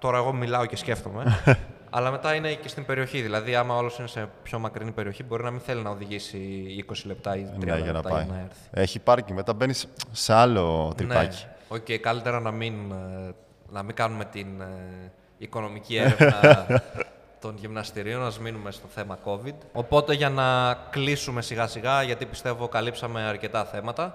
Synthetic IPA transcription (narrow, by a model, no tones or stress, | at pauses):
t̪o̞ɾɐeɣo̞milɐo̞ce̞sce̞ft̪o̞me̞ | ɐ̰lɐme̞t̪ɐine̞ce̞st̪ibe̞ɾio̞çiðilɐðiɐmɐolo̞sine̞se̞pço̞mɐkɾinipe̞ɾio̞çibo̞ɾinɐminθe̞linɐo̞ðiʝisiiko̞sile̞p̚t̪ɐiiɐlʝɐenɐt̪ɐɐɐnɐe̞ɾθi̥eçiːpɐɾcime̞t̪ɐbenisːeɐlot̪ɾineɐ̰ci̥o̞ceikɐlit̪e̞ɾɐnɐmin | nɐmiŋɡɐnume̞t̪in | iko̞no̞micieɾeɐv | t̪o̞nʝimnɐst̪iɾio̞nɐzminume̞st̪o̞θe̞mɐko̞vid̪o̞po̞t̪e̞ʝɐnɐklisume̞siɣɐsiɣɐʝɐt̪ipi̥st̪e̞vo̞kɐlipsɐme̞ɐɾce̞t̪ɐθe̞mɐt̪ɐ